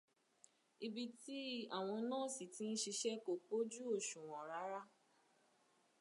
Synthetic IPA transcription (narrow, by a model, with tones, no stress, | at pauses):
i˧bi˧ti˦a˦˨w̃ɔ̃˧˦nãː˦˨si˨tĩ˨˦n̩˦ʃi˧ʃɛ˦ko˨k͡po˦d͡ʒu˦o˦˨ʃũ˨w̃ɔ̃˨ɾa˨˦ɾa˦